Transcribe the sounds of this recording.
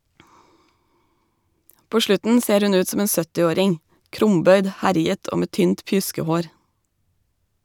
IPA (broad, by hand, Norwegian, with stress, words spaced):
ˈpoː ˈʃlʉtn̩ ˈseːɾ ˈhʉn ˈʉːt ˈsoːm ˈeːn ˈsœtɪˌoːɾɪŋ ˈkɾʊmˌbœʏd ˈhæɾɪət ˈʔoː ˈmeː ˈtyːnt ˈpjʉskəˌhoːɾ